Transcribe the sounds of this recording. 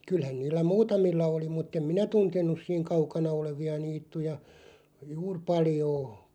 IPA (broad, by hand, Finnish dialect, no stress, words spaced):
kylhæn niːlːæ muːtɑmilːɑ oli mutː em minæ tuntenˑus̆ siːŋ kɑukɑnɑ oleʋiɑ niːtːujɑ juːr pɑljoː